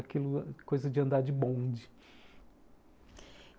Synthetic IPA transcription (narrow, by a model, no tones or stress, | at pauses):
akilʊkojzɐd͡ʒɪɐ̃nd̪aɾd͡ʒɪbõd͡ʒɪ